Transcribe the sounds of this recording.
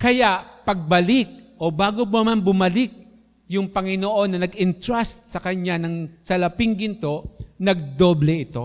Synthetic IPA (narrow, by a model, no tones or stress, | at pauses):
kɐjaʔpɐɡ̚bɐlɪk̚ʔobaːɡobɐmanbʊmɐlɪk̚ | jʊŋpɐŋɪnoʔo̞nːɐnɐɡɪnt̪ɹast̪̚sɐkɐɲanɐŋsɐlɐpɪŋɡɪnt̪o̞nɐɡ̚d̪oblɛʔɪt̪o̞̰